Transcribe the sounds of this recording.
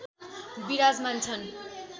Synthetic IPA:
biɾad͡zmant͡sʰʌn

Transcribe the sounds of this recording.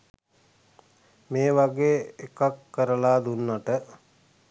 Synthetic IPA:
meːʋaɡeːekakːəɾəlaːd̪unːaʈə

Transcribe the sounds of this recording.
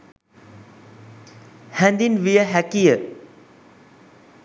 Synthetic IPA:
hɛ̃nd̪inʋijəɦɛkijə

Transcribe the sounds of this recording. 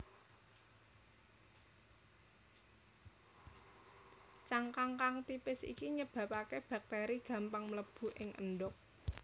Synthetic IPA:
t͡ʃaŋkaŋkaŋt̪ipɪsḭkiɲəb̥a̤pakeb̥a̤k̚t̪eɾiɡ̥ä̤mpaŋmələb̥ṳʔɪŋʔə̰nɖʊk̚

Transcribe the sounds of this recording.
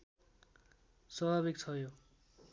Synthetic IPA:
sʌbʱaβik̚t͡sʰʌjo

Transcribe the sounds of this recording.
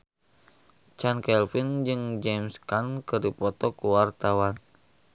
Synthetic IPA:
t͡ʃankɛlfind͡ʒɨŋd͡ʒɛmskankɨdipɔt̪ɔkuwart̪awan

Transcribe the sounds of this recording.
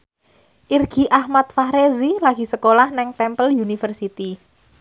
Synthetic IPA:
ʔirɡ̥i̤ʔahmat̪̚fahɾezilaɡ̥i̤səkolahnɛŋt̪ɛmpəljunifərsit̪i

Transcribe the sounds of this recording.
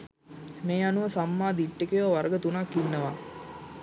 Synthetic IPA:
meːanuʋəsamːaːd̪iʈːekejoʋaɾəɡət̪unakːinːəʋa

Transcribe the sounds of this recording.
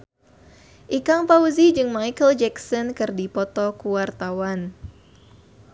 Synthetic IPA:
ʔikaŋpauzid͡ʒɨŋmajkəld͡ʒɛksɔnkɨrdipɔt̪ɔkuwart̪awan

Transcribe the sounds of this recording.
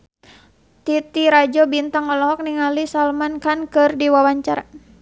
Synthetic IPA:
t̪it̪iɾad͡ʒɔbint̪aŋɔlɔɦɔk̚niŋalisalmankankɨrdiwawaɲt͡ʃaɾa

